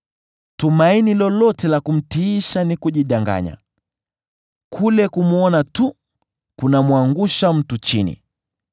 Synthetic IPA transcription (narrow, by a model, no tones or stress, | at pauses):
tumainilɔlɔtɛlakum̩tiːʃanikuʄiɗaŋɡa̰ɲa̰ | kʰulɛkumuɔnatu | kunamwaŋɡuʃam̩tut͡ʃinḭ